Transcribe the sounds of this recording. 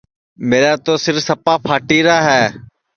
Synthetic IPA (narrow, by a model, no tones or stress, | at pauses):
meːɾaːt̪oːsɪɾfsəpaːpʰaːʈiːɾaːɦɛː